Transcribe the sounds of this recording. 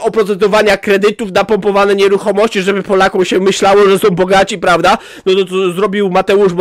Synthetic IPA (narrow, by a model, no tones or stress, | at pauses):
ɔpɾɔt̪sɛd̪ɔvaɲakɾɛd̪ɘt̪ufnapɔmpɔvanɛɲɛɾuxɔmɔɕt͡ɕiʐɛbɘpɔlakɔ̃w̃ɕɛmɘɕlawɔʐɛsɔ̃w̃bɔɡat͡ɕipɾavd̪a | nɔt̪ɔt̪ɔzɾɔbʲiwmat̪ɛuʐb